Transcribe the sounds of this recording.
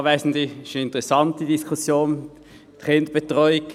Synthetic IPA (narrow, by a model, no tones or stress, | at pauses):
vɛɪsn̩diʃoɪntəʁɛsɑntidiskʰusjoːn | tχɪnd̪əb̥etʁɔʏɪk